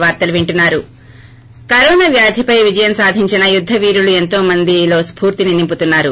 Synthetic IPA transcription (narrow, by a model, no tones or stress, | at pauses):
ʋaːɾt̪ɐluʋiɳʈunːaːɾu | kɐɾɔːnaʋjaːd̪ʱipɐjʋid͡ʒɐjɐmsaːd̪ʱiɲt͡ʃinɐjud̪ʱːɐʋiːɾulue̞nt̪o̞ːmɐnd̪ilo̞ːspuːɾt̪ininimput̪unːaːɾu